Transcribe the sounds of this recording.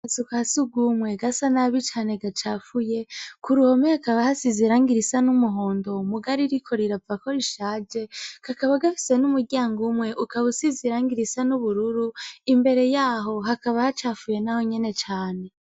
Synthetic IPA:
asukahasuɡumŋwe̞ɡasanaβit͡ʃaːne̞ɡat͡ʃafuje̞kuɾuhomehakaβahasiziɾaːŋɡiɾisanumuɦo̞ːndo̞muɡaɾiɾikʰo̞ɾiɾavakoɾiʃaːd͡ʒekakaβaɡafi̥se̞numuɾɟaːŋɡumŋe̞ʔukaβusiziɾaːŋɡiɾisanuβuɾuɾuimbe̞ɾe̞jaːɦo̞ɦakaβahat͡ʃafuje̞naho̞ɲe̞ne̞t͡ʃaːne̞

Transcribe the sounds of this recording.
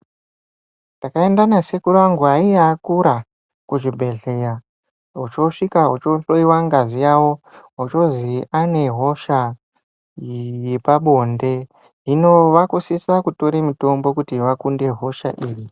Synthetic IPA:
ntakae̞ndanase̞kuraŋɡaijaːkuɾa | kuʐibʱe̞ɮe̞ja | ɦut͡ʃo̞ʂikaɦut͡ʃo̞ɬoiwaŋɡazijawo̞ɦut͡ʃo̞ziane̞ɦo̞ʃa | jepaɓo̞nde̞ | ino̞ʋakusisakuto̞ɾemito̞mbo̞kutiʋakunde̞ɦo̞ʃa̰ʔiːri

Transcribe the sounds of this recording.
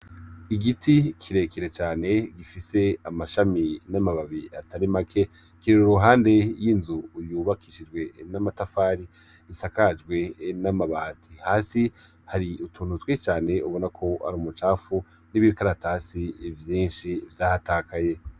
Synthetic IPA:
iɡitʰikʰiɾe̞kʰiɾe̞t͡ʃaːne̞ɡifise̞amaʃaminamaβaβiatʰaɾimakʰe̞ | kiɾeɾuɾuɦaːnde̞jinzujuːβakʰiʃid͡ʒɡwe̞namatafaːɾiː | sakad͡ʒɡwe̞namaβatʰihaːsi | haɾiutʰuːnutwet͡ʃaːne̞ʔuβo̞nakʰo̞ha̰ɾumut͡ʃaːfu | niβiɾkaɾataːsivjiːnʃivjaːhatakʰaje̞

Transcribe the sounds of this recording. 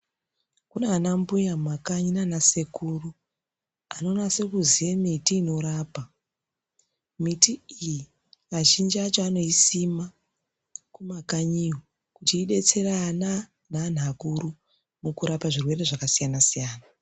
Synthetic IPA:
kuneanambujamakaɲinanase̞kuru | ano̞nase̞kuzijemitiːno̞ɾaːpa | mitiiji | aʃind͡ʒiat͡ʃoano̞isima | kumakaɲio | kutiːɗe̞t͡se̞rana | nan̤ʱakuɾu | mukuɾapaʐirwe̞re̞ʐakasijanasijaːna

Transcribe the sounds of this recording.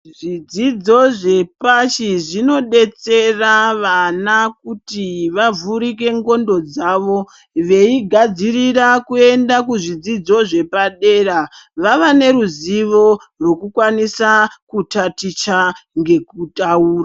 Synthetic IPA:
ʐid͡zid͡zo̞ʐe̞paʃiʐino̞ɗe̞t͡se̞raʋanakutiʋavuɾik̬e̞ŋɡo̞ndo̞d͡zaʋo̞ | ʋe̞iɡʱad͡zirirakue̞ndakuʐid͡zid͡zo̞ʐe̞paɗe̞ːraʋaʋane̞ɾuziʋo̞ | rwo̞kukwanisakutatit͡ʃaŋɡe̞kutauːra

